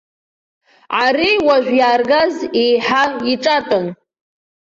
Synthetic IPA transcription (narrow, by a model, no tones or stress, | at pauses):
aɾiwaʒᶣʷjaːrɡazejħaiʈ͡ʂʼatʼɨn